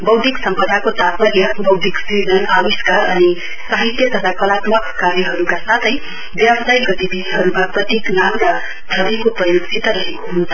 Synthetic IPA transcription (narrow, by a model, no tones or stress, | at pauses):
bʌwd̪ʱiksʌmpʌd̪ʱakot̪at̪̚pʌɾjʌbʌwd̪ʱiksid͡zʌnawiskaʌni | saɦit̪jʌt̪ʌt̪ʰakʌlat̪mʌkːaɾjʌɦʌɾukasat̪ʰʌj | bjabsajɡʌt̪ibiɦʌɾukaprʌt̪iknamka | d̪ʱʌbikoprʌjoksʰit̪ʌɾʌɦekoɦunt͡sʰʌ